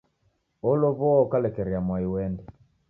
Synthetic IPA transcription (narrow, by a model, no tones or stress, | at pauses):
ɔloβɔɔkalɛkɛɾjamwaiwɛndɛ